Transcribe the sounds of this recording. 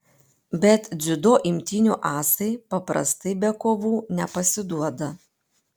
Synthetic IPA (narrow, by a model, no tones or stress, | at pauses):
bʲɛt̪d̪zʲʊd̪oːʔɪmʲt̪ʲɪnʲuʔɑːsɐɪpɐpɾɐ̰st̪ɐɪbʲɛkoːʋuːnʲɛpɐsʲɪd̪uɔd̪ɐ